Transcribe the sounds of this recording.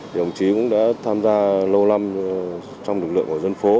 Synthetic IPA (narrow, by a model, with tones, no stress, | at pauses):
i˨˩ə˨˩wŋ͡mt͡ɕi˨˦kʊ̰˧˥ŋ͡mɗa̰ː˧˥t̪ʰaː˧mzaː˧lə˧wla˧m | t͡ɕɔ˧ŋ͡mlɨ˨˩k̚lɨ̰˧˨əŋkːzə˧nfo˨˦